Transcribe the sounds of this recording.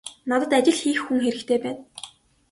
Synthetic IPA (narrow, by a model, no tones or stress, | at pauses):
nɔt̪ə̆t̪at͡ɕɪ̆ɮxiːxːuŋxeɾɘ̆kt̪ʰeːpæːn